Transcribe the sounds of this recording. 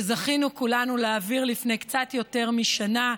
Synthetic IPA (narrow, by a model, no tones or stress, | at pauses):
zaχinukulanuleaːviʁlifnejkt͡satjo̞te̞ʁmiʃana